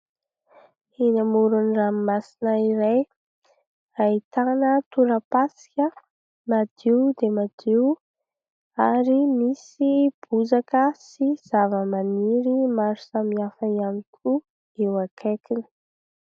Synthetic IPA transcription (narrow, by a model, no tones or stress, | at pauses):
hinamuɾunramimasinaiɾaj | rait̪anət̪uɾəpasi̥kʲə | mad̪̥iwd̪emad̪iw | aɾimisib̥uzakəsiz̥avəmaniɾimaɾusamiafəianikʰu | ewakʰekini̥